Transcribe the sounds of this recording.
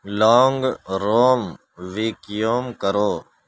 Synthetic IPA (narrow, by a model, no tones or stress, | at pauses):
loːŋɡɾoːm | ʋiːkjoːmkəɾoː